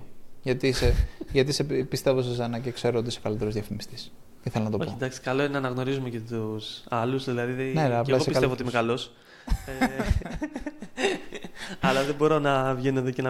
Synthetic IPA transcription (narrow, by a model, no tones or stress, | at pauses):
ʝɐt̪iseʝɐt̪̬isepist̪e̞vosozɐnɐcekse̞ɾoot̪iso̞kɐlit̪e̞ɾozðjɐfimist̪is | iθelɐnɐt̪o̞ood̪ɐksi̥kɐlo̞ineɐnɐɣno̞ɾizumecet̪usɐlusðilɐðiðneɐpɐiseitkɐlevoot̪iimekɐlo̞s | ɐlɐðebo̞ɾo̞nɐvʝenoðecenɐ